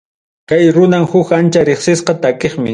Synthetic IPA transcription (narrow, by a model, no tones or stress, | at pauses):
kajɾʊnamhʊkant͡ʃaɾeχsɪsqɑt̪akeχmɪ